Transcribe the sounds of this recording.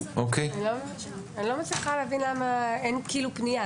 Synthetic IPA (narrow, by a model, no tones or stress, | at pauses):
okejnlomevaʃ | anilomet͡sliχaleavinlamaenkiːlupnija